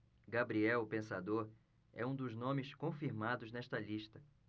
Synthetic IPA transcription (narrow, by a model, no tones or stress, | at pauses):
ɡabɾiɛwpẽsad̪oɾ | ɛ̰ũd̪ʊznõmɪskõfiɾmad̪ʊznɛʃt̪ɐliʃt̪ɐ